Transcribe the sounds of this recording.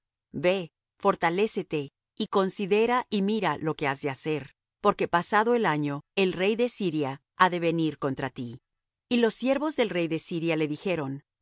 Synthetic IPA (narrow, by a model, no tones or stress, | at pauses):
be̞ | fo̞ɾt̪ale̞se̞t̪e̞ | iko̞nsiðe̞ɾaʔimiɾalo̞ke̞azðe̞ase̞ɾ | po̞ɾke̞pasaðo̞e̞laɲo̞e̞lre̞jðesiɾja | aðe̞βe̞niɾko̞nt̪ɾat̪i | ilo̞sːje̞ɾβo̞zðe̞lre̞jðe̞siɾjale̞ðixe̞ɾo̞n